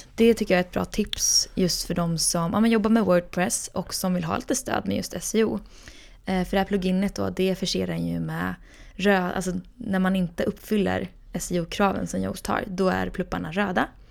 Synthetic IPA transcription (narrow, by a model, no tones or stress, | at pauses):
d̪̥ɛt̪ʰʏkːəjaɛt̪̚bɾɑ̰ːt̪ʰɪpsjɵst̪fœɖɔmsɔmʔɑ̰ːmɛnjɔbːaɾmɛwœːɖ̚pʰɾɛsʔɔksɔmvɪlɦɑ̰ːliːt̪əst̪ø̰ːd̪mɛ̰jɵ̰st̪ɛsɛuː | fœɖɛhæːpʰlɵɡɪnːət̪̚d̪ɔ̰ːd̪ɛfœʂeːɾaɾɛnjɵ̰mɛ | ɾøːʔa̰lsɔnæɾmanɪnt̪əʔɵpːfʏlːə̰ɾ | ɛsɪuːkʰɾɑːvə̰nsɔmjɔ̰ɡt̪ʰɑ̰ːɾd̪ɔæ̰ɾpʰlɵpːaɳaɾøːd̪a